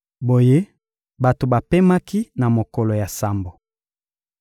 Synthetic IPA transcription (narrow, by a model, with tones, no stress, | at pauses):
bo˨je˦ | ba˨to˨ba˨pe˦ma˦ki˦na˨mo˨kɔ˨lɔ˨ja˨sa˦mbo˨